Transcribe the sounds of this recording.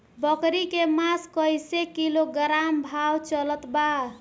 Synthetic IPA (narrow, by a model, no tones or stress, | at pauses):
bəkɾikemaskəjsekiloɡəɾambʱawt͡ʃələt̪ba